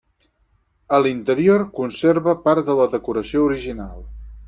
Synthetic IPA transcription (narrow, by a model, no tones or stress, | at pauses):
əlint̪əɾioɾkunseɾβəpaɾt̪ðələðəkuɾəsiouɾiʒinalˠ